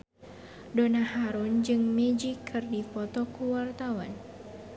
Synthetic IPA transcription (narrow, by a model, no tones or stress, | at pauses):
donahaɾund͡ʒɨŋmɛd͡ʒikʰːɨrdipɔt̪ɔkuwart̪awan